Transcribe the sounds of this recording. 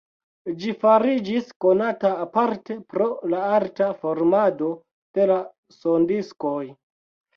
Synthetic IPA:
d͡ʒifaɾid͡ʒisko̞nataːpaɾte̞pɾo̞laaɾtafo̞ɾmado̞ | d̥e̞la | sondisko̞j

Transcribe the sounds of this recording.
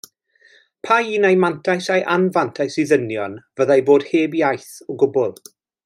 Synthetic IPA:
pʰaiːnajmantʰajsajʔanvantʰajsiðənjɔnvəðajboːd̥heːbjajθɔɡʊbʊlˠ

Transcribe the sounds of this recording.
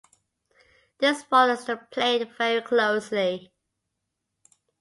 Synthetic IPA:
ð̥ɪsfɔləsəpʰl̥eɪdvɛɹikʰloʊsli

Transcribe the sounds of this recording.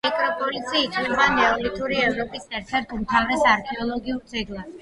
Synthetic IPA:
mikʼɾɔpʼɔlit̪sʰiaːt̪ʰʼnɛbanɛɔlit̪ʰuɾiɛvɾɔpʼisɛɾt̪ʰɛɾt̪ʰmt̪ʰavɾɛsaɾkʰɛɔlˠɔɡiuɾt̪sʰʼiɡlˠi

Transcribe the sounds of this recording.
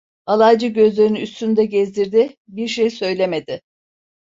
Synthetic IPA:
alˠajd͡ʒɯɟø̞zlʲe̞ɾinyːst̪ʰynd̪ɛɟɛzd̪iɾd̪ɪ | biɾʃejsø̞jlʲeme̞d̪ɪ

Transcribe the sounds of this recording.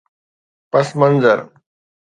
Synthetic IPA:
pəsmənzəɾ

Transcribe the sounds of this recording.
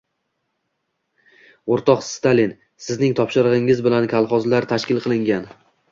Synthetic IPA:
oɾt̪ʰɒqst̪alin | sɪznɪŋt̪ʰɒpʃɪɾʁɨŋɪzbɪlankʲʰalˠχɒzlaɾt̪ʰaʃkʲɪlˠqʰɨlˠɪŋɡʲan

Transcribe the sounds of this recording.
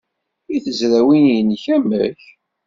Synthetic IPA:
iθəzɾæwinjənçæmæç

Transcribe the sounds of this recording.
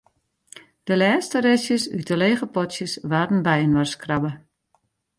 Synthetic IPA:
d̥əlɛːstəɾɛsjəsy̰təleːɣəpɔtsjəsʋaːdən̩bɛjənʋarskrabə

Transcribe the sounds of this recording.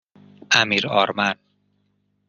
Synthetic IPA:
ʔamiɾɔ̰ɾman

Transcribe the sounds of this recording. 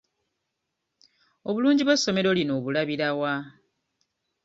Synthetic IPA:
o̞βuluːɲɟiβwesːo̞me̞ɾo̞lino̞ːβulaβiɾawa

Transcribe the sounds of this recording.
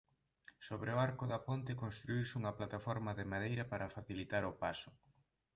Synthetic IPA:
soβɾeoaɾkʊðɐpont̪ɪkonst̪ɾuiwsɪuŋɐplat̪afɔɾmɐðemaðejɾɐpaɾɐfaθilit̪aɾʊpasʊ̥

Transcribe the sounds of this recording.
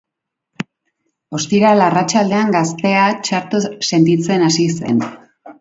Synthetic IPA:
o̞st̪iɾalarat͡ʃald̪e̞aŋɡast̪e̞at͡ʃaɾt̪use̞nt̪it͡se̞nasise̞̰n

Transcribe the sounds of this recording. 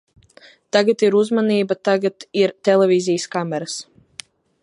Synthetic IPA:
t̪aɡat̪iɾuzmaniːbat̪aɡat̪iɾt̪ɛlˠɛvizijskamɛɾas

